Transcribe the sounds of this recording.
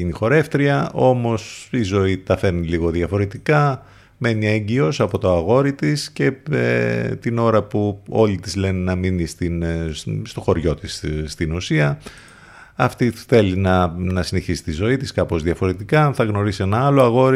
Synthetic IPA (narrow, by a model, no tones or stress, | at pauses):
inixo̞ɾe̞ft̪ɾiɐo̞mo̞sizo̞it̪ɐfe̞ɾniliɣo̞ðiɐfo̞ɾe̞t̪ikɐ | me̞niɐeɲɟio̞sɐpo̞t̪o̞ɐɣo̞ɾit̪isce̞ḛt̪ino̞ɾɐpuo̞lit̪izle̞nenɐminist̪inst̪o̞xo̞ɾʝo̞t̪isst̪inusiɐ | ɐft̪iθe̞linɐnɐsine̞çisi̥t̪izo̞it̪iskɐpo̞zðiɐfo̞ɾe̞t̪ikɐθɐɣno̞ɾisie̞nɐɐlo̞ɐɣo̞ɾi